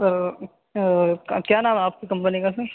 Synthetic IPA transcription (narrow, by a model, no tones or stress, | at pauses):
sɐɾ | kjaːnaːmaːp̚kekɐ̃mpənikas̬e